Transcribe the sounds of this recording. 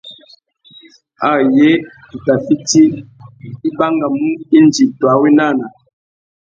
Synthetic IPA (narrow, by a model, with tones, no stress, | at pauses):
a˦˨je˦ | tu˨ta˨fi˦ti˦ | i˦ba˦ŋɡa˨mu˦i˦nd͡ʒi˨twa˨˦wi˦na˦˨na˨